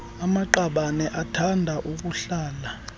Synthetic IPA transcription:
amaǃaɓanɛʔatʰandʱaʔuk̬ʼuɬaːla

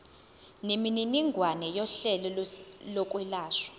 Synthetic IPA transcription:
nimininiŋɡʱwanɛjɔɬɛlɔlɔkʼwɛlaːʃwḁ

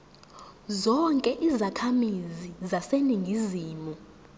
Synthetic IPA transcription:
zɔŋkʼɛʔizakʰamizizaseniŋɡʱiziːmu

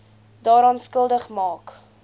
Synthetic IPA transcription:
dɑːɾɑːnskəlˠdəχmɑːk

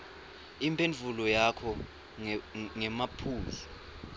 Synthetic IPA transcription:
impʰʼenvʱulɔjakʰɔ | ŋɛmapʰuːzi

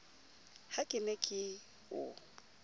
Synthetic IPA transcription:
hakʼɪnɛkʼɪ | ʊ̰

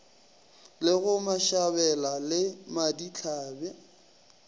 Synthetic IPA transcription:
lɪɣʊmaʃabɛlalɪmadit͡ɬʰaːbɛ

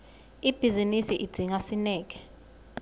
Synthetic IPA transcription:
ib̥ʱizinisiʔid̥ʱiŋasinɛːk̬ʼɛ̥

